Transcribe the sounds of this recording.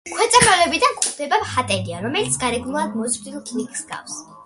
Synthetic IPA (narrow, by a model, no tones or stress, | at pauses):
kʰwɛt̪sʼɛbɾɔlɛbid̪anχd̪ɛbamχat̪ʼɛliaɾɔmɛlit̪sʰɡaɾɛɡnulad̪̚mɔzɾd̪ilˠkʰnikʼsɡa̰fs